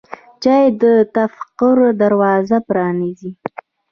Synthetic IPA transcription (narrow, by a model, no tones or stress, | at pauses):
t͡ʃɑjed̪ət̪afqʊɾd̪aɾwɑzapɾɑnizi